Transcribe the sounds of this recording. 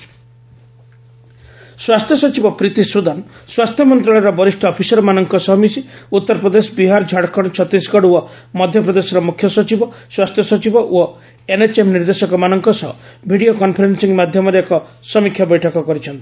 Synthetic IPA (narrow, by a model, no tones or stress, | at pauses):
swast̪ʰjɔsɔt͡ʃibɔpɾit̪isɾud̪ʱanswast̪ʰjɔmɔnt̪ɾɔɭɔjɾɔbɔɾisʈʰɔːpʰisɔɾɔmanɔŋkɔsɔɦmisiut̪ːɔɾpɾɔd̪esɔbiɦaɾd͡ʒʱaɽkɔɽ̃t͡ʃʰɔt̪iskɔɽuɔ | mɔd̪ʱjɔpɾɔd̪esɔɾɔmukʰjɔsɔt͡ʃibɔswast̪ʰjɔsɔt͡ʃibɔʔo | enet͡ʃemniɾd̪esɔkɔmanɔŋkɔsɔɦɔbʱiɽiokɔnpʰɔɾensiŋmad̪ʱjɔmɔɾekɔsɔmikʰːjabɔjʈʰɔkɔkɔɾit͡ʃʰɔnt̪i̥